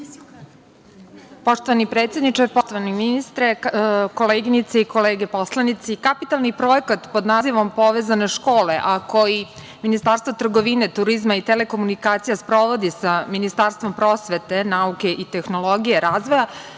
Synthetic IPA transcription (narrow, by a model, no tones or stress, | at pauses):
po̞ʂt̪o̞ʋanipɾeːt̪sje̞d̪nit͡ʂaɾpot̪oʋaniminist̪ɾeko̞leːɡinit̪seikoleːɡe̞po̞slˠanit̪sikapit̪alˠnipɾo̞jekat̪po̞d̪naːziʋo̞mpo̞ʋeːzane̞ʃko̞ːle̞ʔako̞ji | minist̪aːɾst̪vot̪r̩ɡoʋinet̪uɾizmait̪ele̞ko̞munikaːt̪sijaspɾo̞ʋo̞d̪isaminist̪aːɾst̪ʋo̞mpɾo̞ːsʋe̞t̪e̞nauke̞ʔit̪e̞xno̞lˠo̞ɡijeɾaːzʋoja